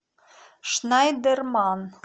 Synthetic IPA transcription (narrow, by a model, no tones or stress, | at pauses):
ʃnɑjd̪ɘ̆rmɑn